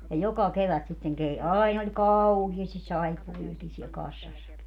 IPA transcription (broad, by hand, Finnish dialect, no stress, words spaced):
jɑ jokɑ keʋæt sitːeŋ kei ɑin olʲ kɑuhiɑstis sɑipːuʋiɑkin siɛl kɑsːɑsːɑki